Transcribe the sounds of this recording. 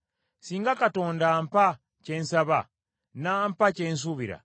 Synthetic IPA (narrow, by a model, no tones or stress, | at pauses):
siːŋɡakato̞ːndampa | ce̞nsaβa | naːmpacens̬uβiɾa̰